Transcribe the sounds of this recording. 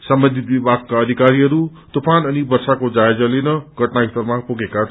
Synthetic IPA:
sʌmbʌnd̪ʱit̪̚bibʱaɡ̚kaʌd̪ʱikaɾiɦʌɾu | t̪opanʌnibʌrsakod͡zaed͡zʌlenʌɡʱʌʈnaist̪ʌrmapoɡeka

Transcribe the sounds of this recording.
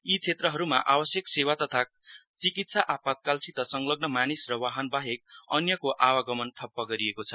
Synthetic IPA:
it͡sʰet̪rʌɦʌɾumaʔabʌsjʌksewat̪ʌt̪ʰa | t͡sikit̪saʔapat̪̚kalsit̪ʌsʌŋlʌɡnʌmanisrʌwaɦʌnbaɦek̚ʌnjʌkoʔawaɡʌmʌnt̪ʰʌpːʌɡʌɾiekot͡sʰʌ̥

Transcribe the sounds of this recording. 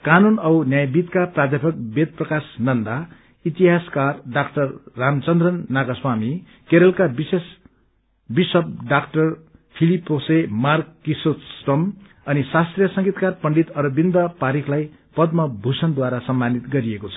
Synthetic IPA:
kanunʌwnjajbit̪kaprad̪ʱjepʰʌk̚bet̪̚prʌkasnʌnd̪a | it̪iɦaskarɖakʈʌrːamt͡sʌnd̪rʌnːaɡaswami | keɾʌlkabises | bisʌb̚ɖakʈʌr | pʰilipːosemarkːisot̪sʈʌm | ʌnisast̪rijʌsʌŋɡit̪karpʌɳɖit̪ʌɾʌbind̪ʌpaɾiklaj | pʌd̪mʌbʱusʌnd̪waɾasʌmːanit̪ɡʌɾiekot͡sʰʌ

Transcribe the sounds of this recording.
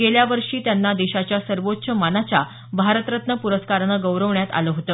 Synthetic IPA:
ɡeljaʋəɾʂiːt̪janːad̪iɕat͡ɕjasəɾʋotːɕʰəmanat͡ɕja | bʱaɾət̪ɾət̪nəpuɾəskaɾɳəɡəwɾəʋɳjat̪a̰ləɦot̪ə

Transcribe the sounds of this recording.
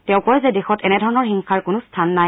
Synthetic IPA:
tɛʊ̃kɔjzɛdexɔtɛnɛdʱɔɹɔnɔɹxiŋkʰaɹkʊnʊstʰanːaj

